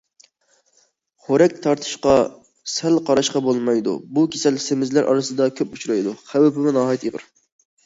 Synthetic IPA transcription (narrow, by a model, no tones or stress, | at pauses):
χoɾɛkʲt̪ʰɑɾt̪ʰɨ̥ʃqɑ | sælqʰɑɾɑʃqɑbolˠmɑjd̪ṵbukʲʰesɛlsemɪzlæɾʔɑ̰ɾɨsɨd̪ɑkʲʰøput͡ʃʰuɾɑjd̪uχæwɪpɪmʊnɑːɦɑjt̪iʁə̰ɾ